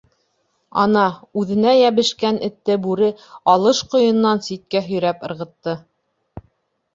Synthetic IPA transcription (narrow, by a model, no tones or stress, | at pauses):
ɑ̰nɑʉðɘ̆næjæβɘ̆ʃkænɘ̆t̪ːɘbʉɾɘɑlˠɤʃqŏjɤ̆nːɑnsit̪̚kæɦɵ̆jɾæpɤ̆ɾʁɤ̆t̪ːɤ